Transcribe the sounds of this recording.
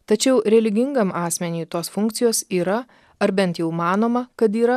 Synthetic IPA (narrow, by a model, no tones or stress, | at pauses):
t̪ɐt͡ʃʲɛʊɾʲɛlʲɪɡʲɪŋɡɐmʔɑːsʲmʲɛnʲiːt̪oːsfʊŋkt̪sʲɪjoːsiːɾɐ | ɐɾbʲɛnt̪jɛʊmɑːnoːmɐkɐt̪iːɾɐ